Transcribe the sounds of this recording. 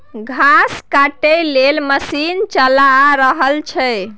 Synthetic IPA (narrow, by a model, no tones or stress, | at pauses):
ɡʱaskaʈəjlelməsint͡ʃəlaɾəɦəlt͡ʃʰɛ